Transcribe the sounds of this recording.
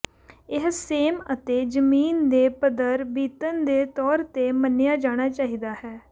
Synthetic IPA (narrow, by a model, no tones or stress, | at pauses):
ɪɦseːmət̪eːd͡ʒəmiːnd̪eːpəd̪əɾbiːt̪ənd̪eːt̪ɔːɾt̪eːmənːɪjaːd͡ʒaːɽ̃aːt͡ʃaːɦiːd̪aːhɛː